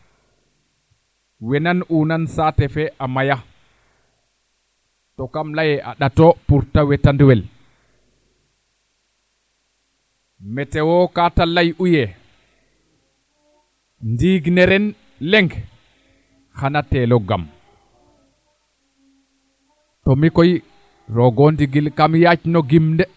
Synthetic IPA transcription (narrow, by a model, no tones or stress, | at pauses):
wɛnanʔunansaːtɛfɛʔamaja | tɔkamlajɛʔa̰ɗatɔpuɾtawɛtandwɛl | mɛtɛwɔkatalajʔujɛ | ndiɡnɛɾɛn | lɛŋɡ | hanatɛlɔɡa̰m | tɔmikɔj | ɾɔɡɔndiɡilkamjat͡ʃinɔɡimndɛ